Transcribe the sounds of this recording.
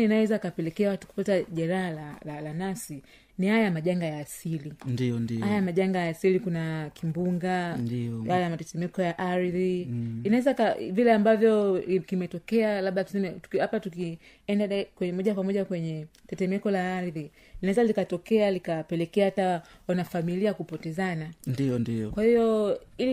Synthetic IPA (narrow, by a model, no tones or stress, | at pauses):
inawɛzakapɛlɛkɛawatu̥ku̥pataʄɛɾahalalalanasi | nihajamaʄaŋɡajaːsilindiɔnihajamaʄaŋɡajaːsilikunakimbuŋɡanijajamatɛtɛmɛkɔjaʔaɾiðiinawɛzakavilɛambavjɔkimɛtɔkɛalaɓɗausɛnɛtuhapatuki | ɛndaɗakwɛɛmɔʄakwamɔʄakwɛɲɛtɛtɛmɛkɔlaːɾiði | linaɛzalikatɔkɛalikapɛlɛkɛahatawanafamiliakupɔtɛzanandiɔndiɔkwahijɔil